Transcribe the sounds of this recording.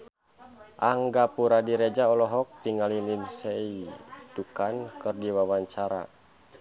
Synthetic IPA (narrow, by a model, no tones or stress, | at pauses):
ʔaŋɡapuɾadiɾɛd͡ʒaɔlɔɦɔk̚t̪iŋalininsɛitukankɨrdiwawaɲt͡ʃaɾa̰